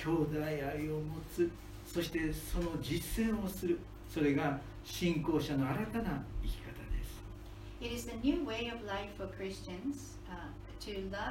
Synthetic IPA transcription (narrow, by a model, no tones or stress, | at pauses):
kʲo̞ːd̪aiaiomo̞t͡sɨ | so̞ɕi̥t̪e̞so̞no̞d͡ʑisːẽ̞ɰ̃o̞sɨɾɯ̟ | so̞ɾe̞ɡa | ɕĩŋko̞ːɕano̞aɾat̪anaikʲi̥kat̪ad̪e̞̰sɨ̥ | ɪɾɪzɨnjʉweɪʌvlaɪfəkʰɹ̥ɪst͡ʃɨ̃nz̥ | tʰɨlʌ